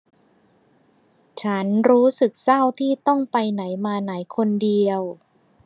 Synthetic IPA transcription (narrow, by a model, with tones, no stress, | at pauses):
t͡ɕʰa˦˥nɾuː˦˥sɯ˨˩k̚sa˥˩wt̪ʰiː˥˩t̪ɔ˥˩ŋpa˧jna˩˦jmaː˧na˩˦jkʰo˧ndi˧əw